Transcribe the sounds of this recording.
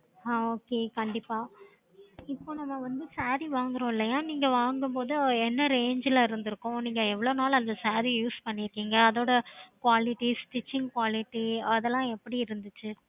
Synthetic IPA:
aoːkeːkɐɳɖɪpːaː | ɪpːoːnɐmːɐʋɐnd̪ɯsaːɾiʋaːŋɡɪɾõːɪlːɐjaːniːŋɡɐʋaːŋɡɯmpoːðɯɛnːɐɾeːɲd͡ʒɪlɐɪɾɯnd̪ɪɾɯkːʊ̃niːŋɡɐɛʋːɐɭoːnaːlɐnd̪ɐsaːɾijuːspɐɳːɪɾɯkːiːŋɡɐːðoːɽɐkʋaːlɪʈːisʈɪt͡ʃːɪŋɡkʋaːlɪʈːiɐðɛlːãːɛpːɐɽiɪɾɯnd̪ɯt͡ʃːɯ

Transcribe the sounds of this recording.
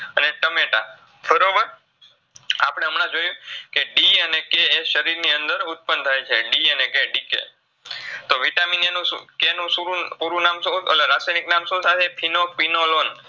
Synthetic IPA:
əneʈəmeʈa̰ | fʰəɾoʋəɾ | apɽ̃eəmɽ̃ãd͡ʒojũkeɖiənekeːʃəɾiɾniənd̪əɾʊt̪̚pənt̪ʰajt͡ʃʰeɖiənekeɖikḛ | t̪oʋiʈaminenũkenũsuɾũpuɾũnamsoə̰leɾasajniknamsot̪ʰat͡ʃepʰinopinolon

